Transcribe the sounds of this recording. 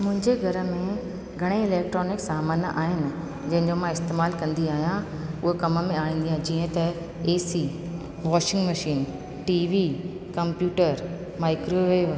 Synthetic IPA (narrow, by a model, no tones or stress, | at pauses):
mʊ̃ɦɪ̃ɲd͡ʑeɡʱɐɾə̆mẽ | ɡʱɐɽ̃eɪleːk̚ʈɾoːnɪksaːmaːnʔa̰ːɦɪnɪ̆ | d͡ʑɐ̃ɦɪ̃ɲd͡ʑomãɪst̪eːmaːlkɐ̃nd̪iaːɦijã | ʊɦekɐmə̆mẽaːɦĩːn̆d̪ijãd͡ʑiːə̃t̪ɐ | eːsiː | ʋɔːʃɪ̃ŋɡmɐʃiːn | ʈiːʋiː | kɐ̃mpjuːʈəɾ | maːɪkɾoʋeːʋ